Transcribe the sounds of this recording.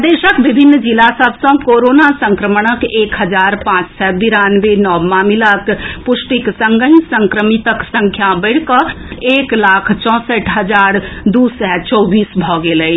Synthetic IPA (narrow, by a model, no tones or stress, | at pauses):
d̪eʃəkbibʱinːd͡ʒilasəbsə̃koɾonasə̃ŋkɾəməɽ̃əkeːkɦəd͡ʒaɾpãt͡ʃsɛbiɾanʋenɔmamilakpʊsʈiksəŋɡəɦinsəŋkɾəmit̪əksə̃ŋkʰjabəɪɽ̤kəeːklakʰt͡ʃɔ̃ːsəʈʰɦəd͡ʒaːɾd̪usɛt͡ʃɔbiːsbʱɔɡeləj